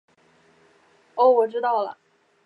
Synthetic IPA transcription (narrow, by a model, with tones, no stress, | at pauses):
o˥˩ʊwɔ˨˩ʈ͡ʂɻ̩˥t̪ɑ˥˩ʊlə̰˩